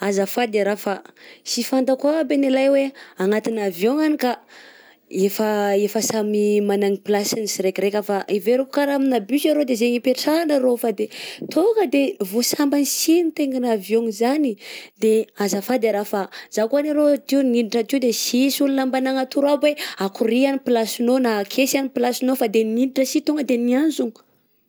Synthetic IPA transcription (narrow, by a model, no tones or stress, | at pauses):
azafad̪eɾafasifand̪akwabenelajweaŋat̪inavjoŋanika | efəefəsamimanaŋiplasinisiɾekrekʲəfaʔiveɾokukaɾaminabyʃaɾod̪ezeŋipeʈ͡ʂanaɾofad̪et̪ʰokəd̪evosambanisinit̪eŋɡanavjoŋizanid̪eazafad̪eɾafazakanaɾot̪iwniiʈ͡ʂət̪iwd̪esisulunambanaŋat̪uɾabweakuɾianipilasinonakʰesanipilasinofad̪eniniʈ͡ʂəsit̪oŋɡəd̪enianzunu̥